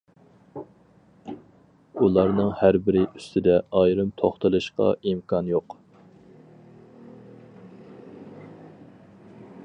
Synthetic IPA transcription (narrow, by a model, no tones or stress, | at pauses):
ulˠɑɾnɨŋhæɾbɪɾɪʔy̥st̪ʰɪd̪ɛɑjɾɨmt̪ʰoχt̪ɨlˠɨʃqɑ̰imkʰɑnjoq